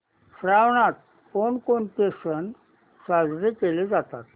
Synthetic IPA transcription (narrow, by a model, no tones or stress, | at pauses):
sɾaʋɳat̪̚ | konkoɳʈ̪esən | sad͡zɾekeled͡zat̪at̪